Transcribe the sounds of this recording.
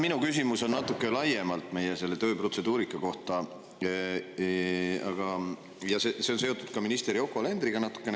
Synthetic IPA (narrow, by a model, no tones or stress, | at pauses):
minukys̬imuso̞nːɑt̪ːˑukːˑelɑje̞mɑlt̪ˑme̞jese̞lːe̞t̪ø̞ːpro̞t̪se̞d̪̥uːɾikːˑɑko̞ht̪ˑɑ | ɑɡ̥ɑ | jɑsese̞o̞nse̞o̞t̪ːˑud̪̥̚kɑminist̪eɾio̞kːˑoɑle̞nd̪ɾiɡ̥ɑnɑt̪ːˑu̥kːˑe̞n